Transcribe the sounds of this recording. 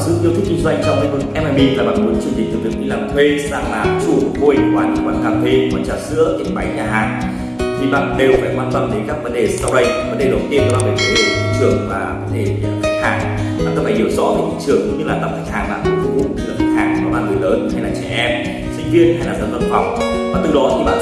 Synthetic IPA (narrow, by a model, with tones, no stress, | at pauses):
sɨ̰˧˥t̪i˧ət̪ʰi˦˥k̚ki˧ŋzza˧ŋ̟t͡ɕɔ˧lŋvɨ˨˩ʔɛ˧maː˨˧˩ɓḭ˧˨laː˨˩ɓa̰ː˧˨˩nmu˨˦ənt͡ɕɨ˧˩əŋhï˨˩ŋ̟t̪ɨ˨˩t̪̚ɲḭ˧˨˩laː˨˩mt̪ʰwe˧saː˧ŋlaː˨˩t͡ɕu˧˩tvo˧˩jkwaː˨˧˩n˨˩kwaː˧˩nkaː˧t̪ʰwe˧waː˧˩t͡ɕaː˧˩sɨ̰˧˥ət̪e˨˧˩ɓa˨˦jɲaː˨˩ɦaː˨˩ŋ | t̪ʰi˨˩ɓa̰ː˧˨nɗe˨˩wfaː˧˩jkwaː˧nt̪wa˧nɗe˨˦nkaː˦˥k̚və˨˦nɗe˨˩sa˧wɗə˧˩jvə˨˦nɗe˧˨˩ɗə˨˩wŋ͡mt̪i˧ənaː˧˩ɓaː˧˨˩ve˨˩k̪ə˨˦ɗə˧˩i˧˦t͡ɕɨ˨˩əŋvaː˨˩vɔ˨˦nɗe˨˩˨t̪ʰa˦˥k̚haː˧˩ŋ | a̰ː˨nkə˨˦faː˧˩jhi˨˦əwzɔ̰˧˨˦ve˨˩t̪ḭ˧˦ŋt͡ɕɨ˨˩əŋkʊ˨˦ŋ͡mɲɨ˧laː˨˩t̪ə˨˩t̪ʰk̚haː˨˩ŋa̰ː˨˩ku˧˦fu˧ʔu˧˦˥ɲɨ˧aː˨˩t̪ʰi˦˥k̚haː˨˩ŋaː˨˧˩ɓa̰ː˧˨nŋɨ˨˩jləː˨˦nha˧jlaː˨˩t͡ɕɛ̰˧˩ʔɛ˧m | sï˧ŋ̟vi˧ənha˧jlaː˨˩zə˧˩nvə˧nfa˨˩wk͡p̚ɓaː˧˨nt̪ɨ˨˩zɔ˨˦t̪ʰi˨˩ɓa̰ː˧˨